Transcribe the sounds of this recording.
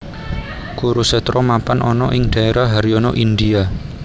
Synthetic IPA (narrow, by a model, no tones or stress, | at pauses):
kuɾusɛt̪ɾɔmapanʔɔnɔʔɪŋɖ̥a̤eɾaɦaɾiɔnɔʔind̪ia